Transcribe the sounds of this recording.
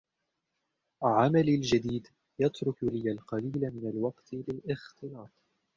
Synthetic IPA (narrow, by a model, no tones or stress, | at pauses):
ʕamalald͡ʒad̪iːd̪ | jɑt̪ɾʊklɪjalqɑliːlamɪnalwɑqt̪lɪlʔɪxt̪ɨlɑːt̪ˤ